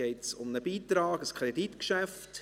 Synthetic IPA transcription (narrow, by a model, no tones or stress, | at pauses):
ɛɪtsʊmnəbiːtɾɑːɡəskʰɾeditkʃæft